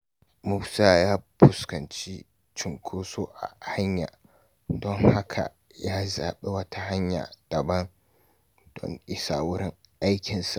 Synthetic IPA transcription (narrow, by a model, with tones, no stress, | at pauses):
mʊ˦ksaː˦jaː˦pʊ˨skɐ˨nt͡ʃi˦ | t͡ʃɪ˨ŋkʷʰoː˦soː˦ʔa̰˨ha˦ɲja̰ː˨ | dɔ˦ŋha˦kʰa̰˨ | jaː˦zaː˨ɓe˦wɐ˦tʰa˦ha˦ɲja̰ː˨d̥ɐ˨bɐ˦n | d̥ɔ̰˦ŋʔɪ˦saː˦wʊ˦ɾɪ˦ŋʔa˦jkʲɪ˨nsa˨ʔ